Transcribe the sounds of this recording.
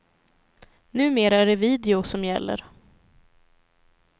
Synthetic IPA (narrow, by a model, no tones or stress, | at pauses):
nʉ̟ːmeːɾaæɖɛviːd̪ɛʊsɔmjɛ̰lːə̰ɾ